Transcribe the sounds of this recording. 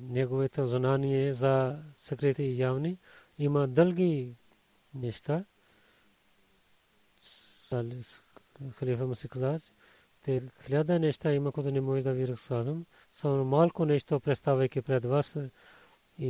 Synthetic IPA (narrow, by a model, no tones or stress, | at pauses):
neɡoːet̪ʰɐzɐnaːnijezasɐkɾit̪ijaːʋniimãd̪ɐlɡi | neʃt̪a | sal | xɐliːfɐmɐsikzaːd͡ʒ | t̪ekʰlʲjaːd̪aneʃt̪aimakʰot̪unemoːʒd̪aʋiːɾɐksaːzɐm | sɐʋnmaːlkonet͡ʃt̪opɾest̪aːʋɐkipɾed̪ʋɐs